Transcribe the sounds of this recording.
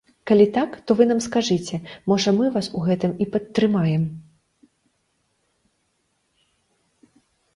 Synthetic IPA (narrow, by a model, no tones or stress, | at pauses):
kalʲit̪akt̪ɔvɨn̪amskaʐɨt͡sʲɛmɔʐɐmɨvasuɣɛt̪ɨmipɐt̪ːɾɨmajɛm